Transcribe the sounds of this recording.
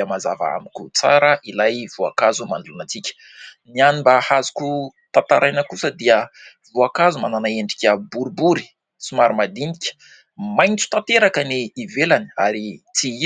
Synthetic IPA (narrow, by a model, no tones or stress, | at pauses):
əmaza̰va̰a̰mikʲut͡saɾəʔilajv̥ua̰kazumand̪ulanat͡sikʲə̥ | nianimbahazu̥kut̪at̪aɾʔajnəkusəd̪iəvuakazumananaeɳɖ͡ʐi̥kʲəbuɾibuɾi̥ | sumaɾimad̪inikʲə̥ | majnt͡su̥t̪at̪eɾakəniivelania̰ɾit͡sii